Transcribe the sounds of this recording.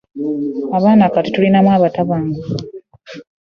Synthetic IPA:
aβaːnaːkatutulinamwaːβataβaːŋɡa

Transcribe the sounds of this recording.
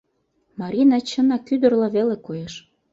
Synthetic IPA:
mɑɾʲinɑt͡ɕə̆nɑkyd̪ə̆rlɑβelekojeʃ

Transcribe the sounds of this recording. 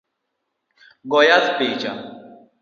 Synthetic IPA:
ɡɔjat̪peːt͡ʃa̰

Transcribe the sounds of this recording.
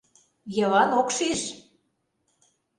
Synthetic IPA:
jɤ̆lɑnokʃiʃ

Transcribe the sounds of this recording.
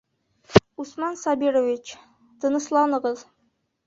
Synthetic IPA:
usmɑnsɑbiɾovit͡ʃ | t̪ʰɤ̆nɤ̆ʃlˠɑnɤ̆ʁɤz

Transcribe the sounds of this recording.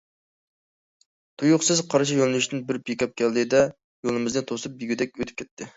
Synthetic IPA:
t̪ʰujuqsɨzqʰɑɾʃ̬ijonnyʃt̪ɪnbɪɾbekʲɑp̚kʲɛlːɪd̪ɛ | jolˠɨmɪznɨt̪ʰosɨp̚jiɡʲyd̪ɛk̚ʲøt̪ʰɪ̥p̚kʲʰɛt̪ʰːɪ

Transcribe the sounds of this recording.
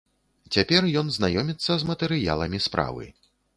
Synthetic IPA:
t͡sʲapʲɛrjɔnznajɔmʲit̪sːɐzmɐt̪ɛɾɨja̰lˠɐmʲispɾa̰vɨ̰

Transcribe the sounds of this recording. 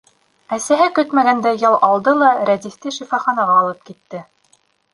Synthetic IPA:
æsæɦɘkɵt̪mæɡænd̪æjɑlˠʔɑlˠd̪ɤlˠɑɾæd̪ist̪ɘʃifɑχɑnɑʁɑːlˠɤp̚kit̪ːɘ

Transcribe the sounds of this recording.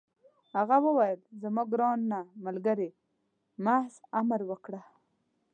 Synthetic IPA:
haɣawəwajəlzamɑɡɾɑnːamalɡaɾe | mahzamɾwəkɽa

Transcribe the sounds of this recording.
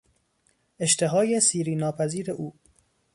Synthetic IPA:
ʔe̞ʃt̪eɦɒːjesiːɾiːnɒːpʰæziːɾeʔuː

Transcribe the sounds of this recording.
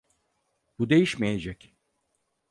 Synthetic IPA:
bud̪e̞jiʃmejed͡ʒɛc

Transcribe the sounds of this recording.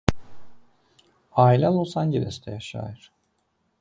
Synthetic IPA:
aːilʲalˠusanɟelʲɛst̪ʰɛjaʃa̰ːjɯɾ̥

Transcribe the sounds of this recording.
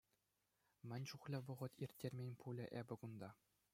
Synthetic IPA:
mʲɘ̆nʲʂuχlʲɘ̆ʋɤ̆ʁɤ̆t̪irʲtʲːerʲmʲenʲpulʲɘ̆ʔebʲɘ̆kund̪ɑ

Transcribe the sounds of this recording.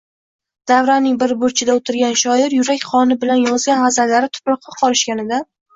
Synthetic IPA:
d̪̥avɾanɪŋbɪɾbʊɾt͡ʃʰɪd̪aot̪ʰɪɾɡʲanʃɒɪɾjʊɾakʲχɒnɪbɪlanjɒzɡʲanazallːaɾɪt̪ʰʊ̥pɾɒq̚ːɑqʰɒlɪʃkʲanɪd̪a

